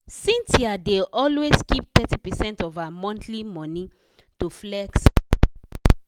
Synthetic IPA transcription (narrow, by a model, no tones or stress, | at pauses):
sĩntiadeʔɔlweskip̚tɛtipɛsɛ̃ntɔvamɔ̃ntʰlimɔ̃nĩ | tuflɛks